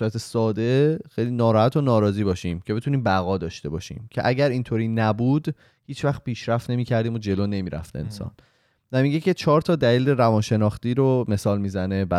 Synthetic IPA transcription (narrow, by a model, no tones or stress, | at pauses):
æt̪ʰesɒːd̪exejliːnɒːɾɒːhæt̪ʰonɒːɾɒːziːbɒːʃiːmcʰeet̪ʰuːniːmbæɣɒːd̪ɒːʃt̪e̞bɒ̰ːʃḭːmcʰeʔæɟæɾint̪ʰoɾiːnæbuːd̪ | hiːt͡ʃʰvæχt̪̚piːʃɾæft̪ne̞miːcʰæɾd̪iːmod͡ʒe̞lone̞miːɾæ̰ft̪eḛnsɒ̰ːn | væmiɟe̞cʰet͡ʃʰɒːɾt̪ʰɒːd̪æliːleɾævɒːnʃe̞nɒːχt̪iːɾome̞sɒːlmiːzæne̞bæ